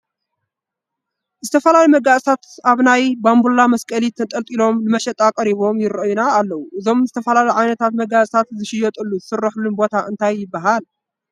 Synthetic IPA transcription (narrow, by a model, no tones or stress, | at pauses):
zɨt̪ʰɐfɐlalimɐɡasʼsʰat̪aβnajbambulamɐskʼɐlit̪ʰɐt̪ʼɐlt̪ʼilo̞mnɨmɐʃɐt̪ʼakʼɐɾiβo̞mjɪrɐʔjunaːlːɐwuʔɨzo̞mzɨt̪ʰɐfɐlalijʕajnɐt̪ʰat̪mɐɡat͡sʼt̪ʰat̪zɨʃɪjɔt̪ʼɨlːuzɨsɨrːɨħlunbo̞t̪ʰaʔɨnt̪ʰajːɪbːaɦal